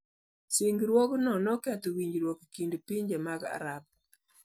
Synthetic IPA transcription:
siŋɡɾwɔknɔnɔkɛtɔwiɲd͡ʒɾwɔkkindpiɲd͡ʒemaɡa̰ɾap̚

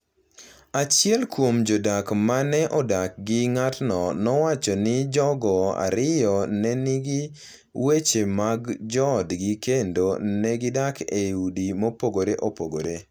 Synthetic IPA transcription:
at͡ʃɪɛlkwomd͡ʒodakmanɛʔɔdak̚ɡɪŋatnɔnɔwat͡ʃɔnɪd͡ʒɔɡɔa̰ɾɪjɔnɛnɪɡɪ | wet͡ʃemaɡd͡ʒɔdɡɪkendonɛɡɪdakʰeudimopoɡoɾeʔopoɡoɾe

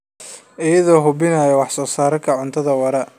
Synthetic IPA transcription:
ʔɪjɐðɔːɦʊbɪnaːjɐwɑħsɔːsaːɾɐkʰɐʕʊnt̪ʰɐðɐwɐɾɐ

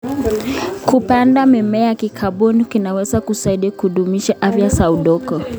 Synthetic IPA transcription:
kupandamɛmɛjakikʰaɓɔnikinawɛzakusaiɗikhuɗumiʃaʔafjasauɗɔkɔ

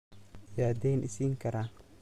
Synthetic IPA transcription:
jaːd̪ɛjnʔɪ̰siːŋkʰɐɾaː

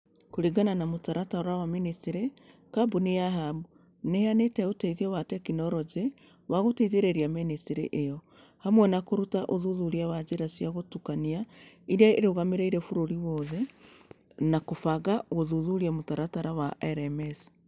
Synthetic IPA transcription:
koɾiɡananamotaɾataɾawaministeɾe | kabunijaɦabu | nehanetɛotɛiðiɔwatɛkinɔɾɔd͡ʒe | waɣoteiðeɾeɾiamenesteɾeʔejɔ | hamwɛnakoɾutaʔoðuðuɾiawad͡ʒeɾasiaɣotukaniaiɾeaeɾoɣameɾeiɾɛfuɾoɾiwɔðɛ | nakofaɣaɣoðuðuɾiamotaɾataɾawaʔɛɾɛmɛs

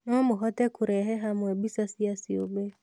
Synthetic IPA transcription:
nomuɦɔtɛkuɾɛɦɛɦamwɛbisasiasiobe

